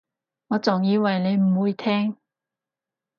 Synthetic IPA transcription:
ŋɔː˨˧t͡sʊ˨ŋjiː˨˧wɐ˨˩jne˨˧jm̩˨˩wuː˨˧jt̪ʰɛː˥ŋ

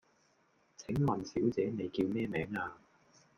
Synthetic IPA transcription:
t͡sʰɪ˨˥ŋmɐ˨nsiː˨˥wt͡sɛː˨˥ne˨˧jkiː˧wmɛː˥mɛː˨˥ŋaː˧

